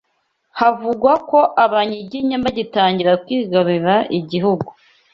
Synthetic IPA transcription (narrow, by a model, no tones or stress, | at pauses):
havuɡwako̞ʔaβaɲiɟiɲambaɟitaːɲɟiɾakwiːɡaβiɾaʔiɟiɦuɡu